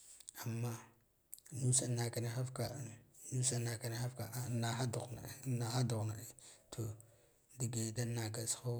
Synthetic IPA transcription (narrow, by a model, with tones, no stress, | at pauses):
a˨mːa˦ | nu˦sa˨na˨ka˨ni˦xa˦fka˨nu˦sa˦na˨ka˨ni˦xa˦fka˨na˨xa˦du˨ɣna̰˨˦na˨ha˦du˨ɣna˨ɗe˨tʰo˨ | di˨ɡe˨da˦na˨ɡa˨sxo˦